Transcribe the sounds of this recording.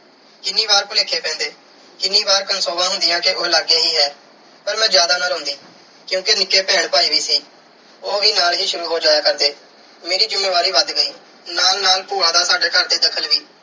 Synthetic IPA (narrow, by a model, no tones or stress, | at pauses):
kɪnːiːβaːɾpʊleːkʰeːpɛ̃ːnd̪eː | kɪnːiːbaːɾkənsoːbãːɦʊnd̪ɪjãːkeʔoːlaːɡeːɦiːɦɛː | pəɾmɛ̃ːd͡ʒjaːd̪aːnəɾʊ̃ːnd̪iː | kjũːkenɪkːeːpɛːɳpaːiːʋiːsiː | oːʋiːnaːlɦiːʃʊɾuːɦoːd͡ʒaːjaːkəɾd̪eː | meːɾiːd͡ʒʊmːeːʋaːɾiːʋəd̪ɡəiː | naːlnaːlpuːɽãːd̪aːsaːɖeːkəɾd̪eːd̪əkʰəlʋiː